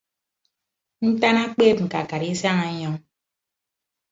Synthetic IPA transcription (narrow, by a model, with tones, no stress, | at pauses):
n̩˦ta˦na˦k͡peː˦p̚ŋ̩˨ka̰˨ka˨ɾi˦sa˦ŋa˨˦ɲɔ˦ŋ